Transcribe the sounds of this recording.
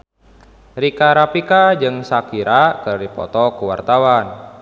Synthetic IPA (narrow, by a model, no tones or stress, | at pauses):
ɾikaɾapikad͡ʒɨŋsakiɾakɨrdipɔ̰t̪ɔkuwa̰rt̪awan